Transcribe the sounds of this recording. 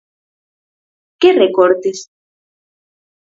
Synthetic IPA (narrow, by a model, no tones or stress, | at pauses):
kerekoɾt̪es